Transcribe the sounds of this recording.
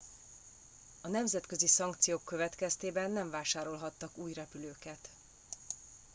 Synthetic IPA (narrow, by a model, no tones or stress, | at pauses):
ɒnɛmzɛt̪kø̞zisɒŋkt̪sijoːkːøvɛt̪kɛst̪eːbɛnːɛɱvaːʃaːɾo̞lɦɒt̪ːɒkuːjrɛpyløːkɛt̪